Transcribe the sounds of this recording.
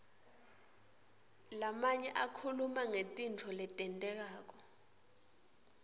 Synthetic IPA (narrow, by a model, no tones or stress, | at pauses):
lamaɲɛʔakʰulumaŋetʼint͡fʰɔlɛtʼɛntʼɛk̬aːk̬ɔ